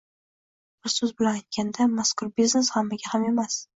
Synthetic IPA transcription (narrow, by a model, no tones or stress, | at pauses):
b̥ɪɾsɵzbɪlanajt̪̚ɡʲand̪amaskʰʊɾbizneshamːaɡʲahame̞mas